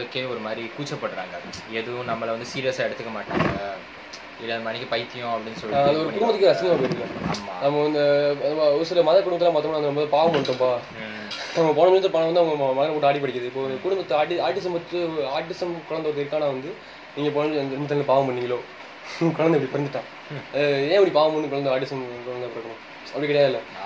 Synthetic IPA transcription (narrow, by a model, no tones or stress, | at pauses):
ɯkːeːɔɾɯmaːd̪ɾikuːt͡ʃːɐpːɐɽːɯɾa̰ːŋɡɐeðɯʋʊ̃nɐmːɐɭʋɐnd̪ɯsiːɾɪjɐsaːɛɽɯt̪ːɯkːɐmaːʈːa̰ːŋɡɐ | ɪlðɐmɐnɪkʲːɐpɐɪt̪ːɪjʊ̃ɐpːɐɽɪnːɯsɔlːaɐðɐɔɾɯkʊɽʊmbɐːɯkːɯɐsɪnmaːpːɾɯɐlɐaːma̰ːnɐmɐɐnd̪ɐɔɾɯsɪlɐmɐðɐkʊɽɯmɐt̪ːlːãːpaːt̪omːnaːɐndɐɐmboːðpaːʋɐmpɐɳʈːõːmpaː | ɐmɐp̬oːnɐmɐɳːɐt̪ːɯpoːnɐʋɐnd̪ɯɐʋɐŋɐmmɐðɐnɐp̬oːʈːɯaːɽip̬ɐɽɪkːɐðɯɪpːoːɐkʊɽʊmbɐt̪ːaːʈɪaːɾʈːɪsɐmpɐɯaːɾʈːɪsɐmkʊɻɐnd̪ɐɐɾt̪ːɪɾɯkːaːnaːʋɐnd̪ɯ | niːŋɡɐpoːnɪɾɯmbt̪ːɐnːlpaːʋɐmpɐɳːɪŋɡɐloː | kʊɭɐnɐɛpːɐɽipɔɾɐnd̪ɯʈːãː | ɐðɯẽːɐpːɐɽipaːʋɐmpɐɳːɯkʊɭɐnd̪ɐaːɾʈɪsɐmkɔɭɐnd̪ɐpːɐɾɯkːɐɳʊ̃ | ɐpɐɽikɪɽɐjaːðɪlːɐ